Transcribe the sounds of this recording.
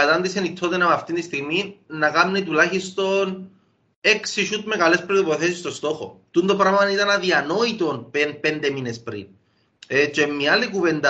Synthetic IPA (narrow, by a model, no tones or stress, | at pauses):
ɐt̪ɐnd̪isenit̪ʰːo̞t̪enɐpɐft̪int̪ist̪iɣminɐkamnit̪ulaçist̪o̞n | e̞ksiʃut̪̚me̞kɐle̞spɾot̪ipo̞θesist̪o̞st̪o̞xo̞̰t̪und̪opɾɐmɐt̪ɐnit̪ɐnɐðiɐno̞it̪o̞npenpe̞nd̪e̞minespɾḭn | et͡ʃemːialikuve̞nd̪ɐ